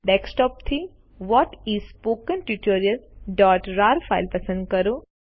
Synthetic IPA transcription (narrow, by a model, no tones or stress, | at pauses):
ɖɛksʈɔːp̚t̪ʰi | ʋɔːʈizspoːkə̃nʈjuʈoːɾiəlɖɔːʈɾaːɾfa̰ɪlpɐsə̃nɖ̚kɐɾo